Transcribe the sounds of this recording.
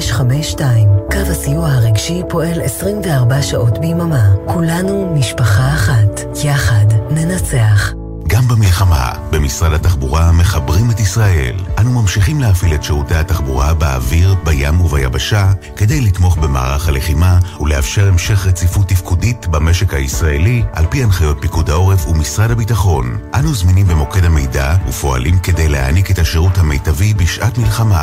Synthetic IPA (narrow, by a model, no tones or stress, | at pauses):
ʃχameʃtaimkavasijuahaʁeɡʃipo̞e̞lesʁimveaʁbaʃaʔo̞tbejmamakulanumiʃpaχaːχat | jaχadne̞nat͡se̞aχ | ɡambemilχama̰ | be̞misʁadhataχbuʁame̞χabʁimetisʁaʔe̞̰lʔanumamʃiχimleafiletʃeutejhataχbuʁabea̰viʁbajamuvajabaʃake̞de̞jlitmo̞χbe̞ma̰ːʁaχhale̞χimaulehafʃe̞ʁe̞mʃe̞χʁet͡sifutːifkuditbame̞ʃe̞khaisʁaeliʔa̰lpianχajo̞t̚pikudhao̞ʁefumisʁadhabitaχo̞nʔanuzminimbemo̞ke̞dhame̞jdaṵfo̞a̰limke̞de̞jleha̰nike̞thaʃeʁuthamejtavibiʃʔatmilχama